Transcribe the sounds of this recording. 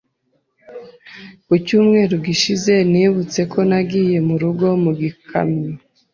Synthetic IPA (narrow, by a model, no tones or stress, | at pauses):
kucuːmŋe̞ːɾuɡiʃize̞niβut͡se̞kʰo̞naɡiːje̞muɾuɡo̞muɡikʰa̰mɲo